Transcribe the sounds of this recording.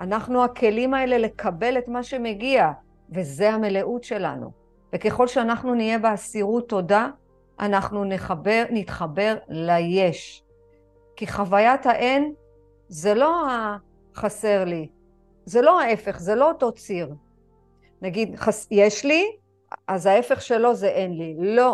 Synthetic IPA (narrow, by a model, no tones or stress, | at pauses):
anaχnuakʰe̞limae̞le̞le̞kʰabe̞le̞tmaʃe̞me̞ɡia | veze̞ame̞le̞ʔutʃe̞la̰nṵ | veke̞χo̞lʃeanaχnunije̞beasiʁutːo̞da | ʔanaχnunebnitχabe̞ʁlaje̞ʃ | kiχavajataʔen | zelo̞a | χase̞ʁli | zelo̞hae̞fe̞χze̞lo̞oto̞t͡siʁ | naɡidχasjeʃli | azae̞fe̞χʃe̞lo̞zeʔenlilo̞